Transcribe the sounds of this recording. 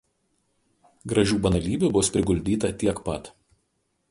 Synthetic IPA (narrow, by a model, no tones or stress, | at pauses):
ɡɾɐʒʲuːbɐnɐlʲiːbʲubʊspʲɾʲɪɡʊlʲd̪ʲiːt̪ɐt̪ʲiɛkpɐt̪